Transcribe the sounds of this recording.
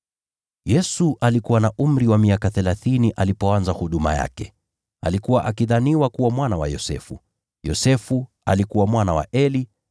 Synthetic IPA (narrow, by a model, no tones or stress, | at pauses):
jɛsuʔalikuwanaʔum̩ɾiwamiakaθɛlaθiniʔalipɔanzahuɗuma̰ja̰kɛ | a̰likuwaʔakiðaniwakuwamwanawa̰jɔ̰sɛ̰fṵ | jɔsɛfu | alikuwamwanawa̰ʔɛli